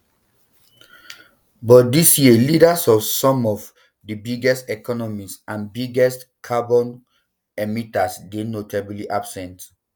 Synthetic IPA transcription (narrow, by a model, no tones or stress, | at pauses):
bɔt̚disjelidasɔfsɔ̃mɔv | dəbiɡɛstɛkʰɔnɔmisãnbiɡɛstkʰabɔ̃n | ɛmitasdenotʰabiliʔab̥sɛ̃nt